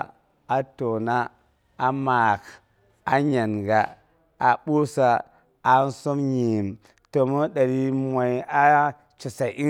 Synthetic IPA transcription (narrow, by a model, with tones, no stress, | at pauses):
a˨to˨na˦ | a˨ma˨k | a˨ɲa˨nɡa˨ | a˨ɓu˦sa˦ | a˨˦n˦so˦mɲi˨m | to˨mo˦ɗa˨ɾi˦mʷa˨ja˦ | t͡ʃi˨sa˨ʔi˦